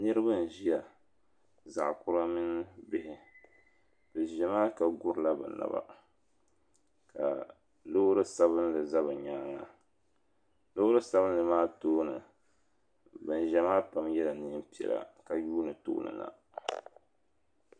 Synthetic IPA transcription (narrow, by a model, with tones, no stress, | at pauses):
nɨ˦ɾɨ˦bɨ˦n˨ʒi˦ja˨ | za̰˨ʔkʊ˦ɾa˦mɪ˦n˦bɪ˦hɪ˦ | bɨ˨ʒɛ˨maː˦ka˨ɡʊ˦ɾɨ˦˨la˦bɨ̰˨na̰˨ba̰˦ | ka̰˨ | lo˦ɾɨ˦sa˦βɨ˦n˦lɨ˨za˦bɨ˨ɲaː˦ŋa˨ | lo˦ɾɨ˦sa˦βɨ˦n˦lɨ˨maː˦toː˦nɨ̰˨ | bɨ˨n˨ʒɛ˦maː˦pa˨mjɛ˦la˨nɨ˦m˦pi˨ɛ̰˨la̰˨ka˨juː˦nɨ˨to̰ː˦nɨ̰˨na̰˨